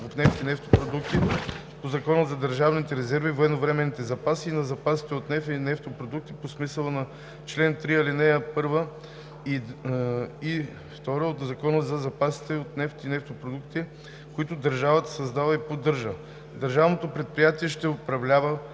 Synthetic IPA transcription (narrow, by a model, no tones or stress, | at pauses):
vofnɛft̪inɛft̪o̥pɾod̪ukt̪i | pozɐkɔnəzɐd̪əɾʒavnit̪ɛɾɛzɛɾvivɛnovɾɛmɛnːit̪ɛzɐpasiːnɐzɐpasi̥t̪ɛot̪nɛfinɛft̪opɾod̪uk̚t̪i̥posmisəlˠənɐ | t͡ʃlɛnt̪ɾiɐlinɛjəpɤɾvə | i | i | ft̪ɔɾəot̪zɐkɔnəzɐzɐpasi̥t̪ɛot̪nɛft̪inɛft̪opɾod̪ukt̪i | kʊit̪ʊd̪əɾʒavət̪ə̥sɐzd̪avəipod̪ɤɾʒə | d̪əɾʒavnot̪opɾɛt̪̚pɾijat̪iɛʃt̪ɛopɾɐvlʲavə